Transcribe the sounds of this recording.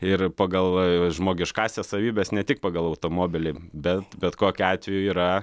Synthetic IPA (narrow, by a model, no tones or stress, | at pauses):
ɪrpɐɡɐlˠʒmoːɡʲɪʃkɑːsʲɛssɐʋʲiːbʲɛːsnʲɛt̪ʲɪk̚pɑːɡɐlˠɐʊt̪oːmoːbʲɪlʲɪbʲɛt̪bʲɛt̪koːkʲʊɑːt̪ʲʋʲɛjuiːɾɐ